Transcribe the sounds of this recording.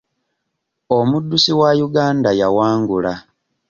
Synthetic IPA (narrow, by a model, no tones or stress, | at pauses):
omudːusiwajuɡaːndajawaːŋɡula